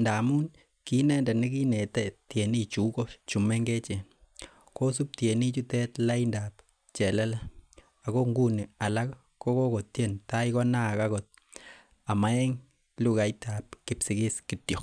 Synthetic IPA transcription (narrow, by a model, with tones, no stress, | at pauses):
nda˨mu˦n | ki˦nɛ˦nda˨ni˦ki˦ne˨tɛtje˨ni˦t͡ʃu˨ko˦t͡ʃu˨me˦ŋɡe˦t͡ʃɛ˨n | ko˦s̬u˦p̚tje˨ni˦t͡ʃu˦tɛ˦tla˦indap | t͡ʃɛ˨lɛ˦la˦ | a˨ko˦ŋɡu˦ni˨a˨la˦k | ko˦ko˦ko˨tje˦nta˦ikɔ˦na˦˨ka˦kɔ˨t̚ | a˨ma˦ɛ˦ŋ | lu˦ka˨jta˨p̚kɪ˨psi˨kɪ˦skitjɔ˨k̚